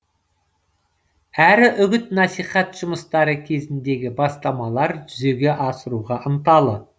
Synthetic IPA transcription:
æɾɪʔʏɡʲɪt̪nɑsijχɑt̪ʒ̥ʊməst̪ɑɾəkʲʰe̞zɪnd̪e̞ɡʲɪbɑst̪ɑmɑlˠɑɾʒʏze̞ɡʲe̞ʔɑsəɾuʁɑʔənt̪ɑlˠə

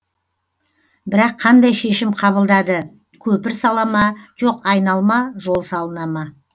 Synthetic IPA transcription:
bɪɾɑqʰːɑnd̪ɑjʃe̞ʃɪmqʰɑβəlˠd̪ɑd̪ə | kʲʰɵpɪɾsɑlˠɑmɑʒ̥o̞qɑjnɑlˠmɑʒo̞lˠsɑlˠənɑmɑ

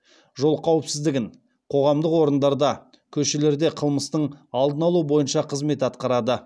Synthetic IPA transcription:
ʒo̞lˠqʰɑwəpsɪzd̪ɪɡʲɪŋ | qʰo̞ʁɑmd̪əqwo̞ɾənd̪ɑɾd̪ɑ | kʲʰɵʃe̞le̞ɾd̪e̞qʰəlˠməst̪əɴɑlˠd̪ənɑlˠuəbo̞jənʃɑqʰəzme̞t̪ɑt̪qɑɾɑd̪ə

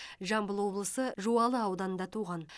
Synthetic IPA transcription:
ʒɑmbəlˠwo̞blˠəsəʒuɑlˠəɑwd̪ɑnənd̪ɑt̪ʰuʁɑn

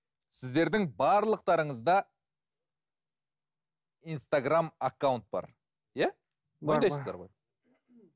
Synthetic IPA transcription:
sɪzd̪e̞ɾd̪ɪŋbɑɾlˠəq̚t̪ɑɾəɴəzd̪ɑ | ijnst̪aɡramakːawnt̪̚bɑ̰ɾ | jæ | ojd̪ɑjszd̪ɑ̰ɾʁoj

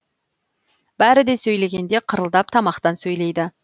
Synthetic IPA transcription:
b̥æɾɪd̪e̞sɵjle̞ɡʲe̞nd̪e̞qʰəɾəlˠd̪ɑp̚t̪ʰɑmɑqt̪ɑnsɵjle̞jd̪ɪ

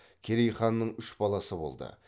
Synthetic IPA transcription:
kʲʰeɾejχɑnːəɴʏʃbɑlˠɑsəbo̞̰lˠd̪ə̰

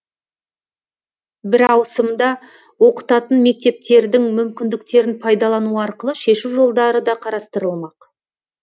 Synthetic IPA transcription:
bɪɾɑwsəmd̪ɑ | wo̞qə̥t̪ɑt̪ənme̞k̚t̪e̞p̚t̪e̞ɾd̪ɪŋmʏmkʲɪnd̪ɪk̚t̪e̞ɾɪnpʰɑjd̪ɑlˠɑnuəɑɾqəlˠəʃe̞ʃuwʒo̞lˠd̪ɑɾəd̪ɑqʰɑɾɑst̪əɾəlˠmɑq

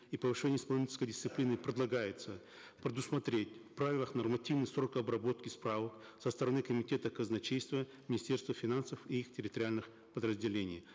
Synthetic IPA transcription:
ipəvɨʂɛnʲɪəjɪspɐlˠnʲit͡ʃʲɪ̥skəjdʲɪst̪sɨplʲinɨpɾʲɪd̪lˠɐɡajɪt̪sə | pɾʲɪd̪ʊsmɐt̪ɾʲetʲfpɾavʲɪlˠəxnɐrmɐtʲivnɨsrokɐbɾɐbo̞t̪kʲɪspɾavək | səst̪əɾɐnɨkəmʲɪtʲe̞t̪əkəznɐt͡ɕejst̪və | mʲɪnʲɪsʲtʲe̞rst̪vəfʲɪnansəfiixtʲɪɾʲɪt̪əɾʲɪalʲnɨx | pəd̪ɾəzʲdʲɪlʲenʲɪ̰j

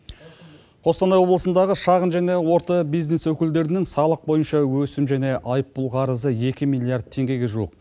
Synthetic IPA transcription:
qʰo̞st̪ɑnɑjwo̞blˠəsənd̪ɑʁəʃɑʁənʒæne̞wo̞ɾt̪ɑbijzne̞swɵkʲɪld̪e̞ɾɪnɪŋsɑlˠəq̚bo̞jənʃɑwɵsɪmʒæne̞ʔɑjəpːʊlˠqʰɑɾəzəje̞kʲɪmijlʲˠiard̪̚t̪ʰe̞ŋɡʲe̞ɡʲe̞ʒuwə̰q̚

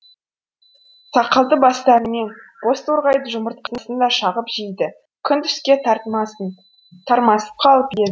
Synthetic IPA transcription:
sʰɑqəlˠd̪əbɑst̪ɑɾəme̞nqo̞st̪ʰoɾʁɑjd̪əʒʊməɾt̪̚qʰənəsənd̪ɑʃɑʁəpʒ̥ijd̪ɪ | kʲʰʏnt̪ʰʏ̥skʲe̞t̪ʰɑɾt̪əmɑsən | t̪ʰɑɾmɑsə̥p̚qʰɑlˠəpjed̪

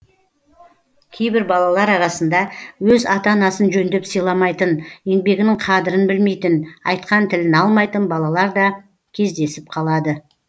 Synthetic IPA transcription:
kʲʰejbɪɾbɑlˠɑlˠɑɾɑɾɑsənd̪ɑwɵzɑt̪ɑnɑsənʒɵnd̪epsəjlˠɑmɑjt̪ənje̞ŋbe̞ɡʲɪnɪŋqʰɑd̪ɪɾənbɪlme̞jt̪ɪnɑ̰jt̪qɑnt̪ʰɪlɪnɑlˠmɑjt̪ənbɑlˠɑlˠɑɾd̪ɑ | kʲʰe̞zd̪e̞sɪp̚qʰɑlˠɑd̪ə

